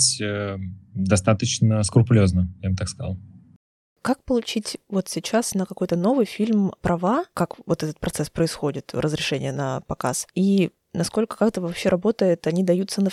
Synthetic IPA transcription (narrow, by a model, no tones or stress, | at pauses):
sʲəd̪ɐst̪at̪ət͡ɕnəskʊrpʊlʲoznəjabət̪akskɐza̰lˠ | kak̚pəlˠʊt͡ɕitʲvo̞t̪sʲɪt͡ɕasnəkɐko̞jt̪əno̞vɨjfʲilʲmpɾʔɐvakakvo̞t̪ɛt̪ət̪̚pɾɐt̪sɛspɾəɪsxo̞dʲɪt̪ɾʔəzɾʲɪʂɛnʲɪjənəpɐka̰si | nɐsko̞lʲkə̥kakt̪əvɐpɕːeɾʔɐbo̞t̪əjɪt̪ɐnʲid̪ɐjut̪sənə